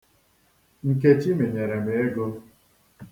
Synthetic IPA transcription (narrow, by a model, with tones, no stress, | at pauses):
ŋ̩˨k̬e˦t͡ʃi˦me˨ɲe˨ɾe˨me˨e˦ɡo˦